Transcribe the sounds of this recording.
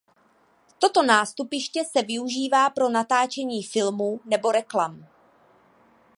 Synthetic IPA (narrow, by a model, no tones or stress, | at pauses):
t̪o̞t̪o̞naːst̪upɪʃcɛsɛvɪuʒiːvaːpɾo̞nat̪aːt͡ʃɛɲiːfɪlmuːnɛbo̞ɾɛklam